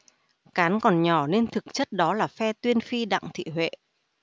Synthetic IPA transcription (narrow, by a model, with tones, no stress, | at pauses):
kaː˨˦nkɔ˨˩nɲɔ˧˩ne˧nt̪ʰɨ˨˩k̚t͡ɕə˦˥t̚ɗɔ˨˦laː˨˩fɛ˧t̪wi˧ənfi˧ɗa̰˧˨ŋt̪ʰḭ˧˨ɦwḛ˧˨